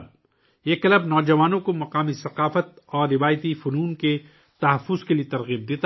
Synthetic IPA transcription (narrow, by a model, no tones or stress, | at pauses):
b̚ | eːkɐləbnɔːd͡ʒɐʋaːnõkomɐqaːmisɐqaːfət̪̚ɔːɾːɪʋaːjt̪ifʊnuːnke | t̪ɐɦɐfʊzkelijet̪ɐɾɣiːb̚d̪eːt̪a